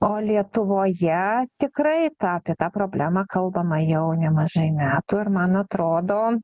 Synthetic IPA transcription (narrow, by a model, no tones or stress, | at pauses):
oːlʲiɛt̪ʊʋoːjɛt̪ʲɪkɾɐɪt̪ɑɐpʲiɛt̪ɑːpɾoːbʲlʲæːmɑkɐlˠbɐmɐjɛʊnʲɛmɐʒɐɪmʲæːt̪ʊɪɾmɐnɐt̪ɾoːd̪oː